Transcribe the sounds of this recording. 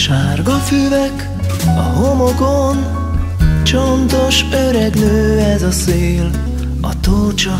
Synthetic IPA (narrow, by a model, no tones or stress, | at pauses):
ʃaːrɡɒfyːvɛk | ɒɦo̞moɡon | t͡ʃont̪o̞ʃøɾɛɡnøːɛzɒseːl | ɒ̰t̪oːt͡ʃɒ